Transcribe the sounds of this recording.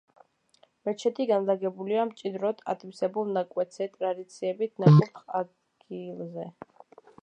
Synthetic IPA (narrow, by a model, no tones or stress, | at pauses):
mɛt͡ʃʰɛt̪ʰiɡanlaɡɛbuliamt͡ʃʼid̪ɾɔt̪ʰa̰t̪ʰipsɛbulˠnakʼwɛt̪zɛt̪ʼɾad̪it̪sʰiɛbit̪ʰnakʰʼɛt̪χa | ɡilˠzɛ